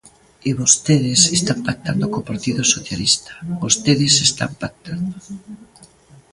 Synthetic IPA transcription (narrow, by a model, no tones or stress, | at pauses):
ɪβost̪eðɪsest̪ampak̚t̪and̪okopaɾt̪iðosoθjalist̪ḁβost̪eðɪsest̪a̰mpak̚t̪ʰand̪o